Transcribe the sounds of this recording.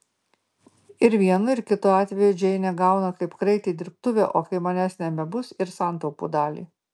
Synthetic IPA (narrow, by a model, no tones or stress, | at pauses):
ɪɾʋʲiɛnʊɪɾkʲɪt̪ʊɑːt̪ʲʋʲɛjʊd͡ʒʲɛɪnʲɛɡɑˑʊnɐkɐɪpkɾɐɪt̪ʲeːd̪ʲɪɾp̚t̪ʊʋʲḛːʔoːkɐɪmɐnʲɛsnʲɛbʲɛbʊsɪɾsɑˑnt̪ɒʊpṵːd̪ɑːlʲḭː